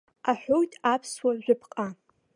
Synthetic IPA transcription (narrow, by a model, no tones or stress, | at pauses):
aħʷᶣojtʰʼapʰswaʒʷᶣʊpʰqʼa